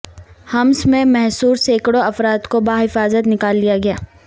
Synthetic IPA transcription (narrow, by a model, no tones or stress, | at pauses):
hɐmsmẽmɛɦsuːɾseːkɽoɐfɾaːt̪kobaːɦɪfaːzət̪nɪkaːlːijaɡɐjaː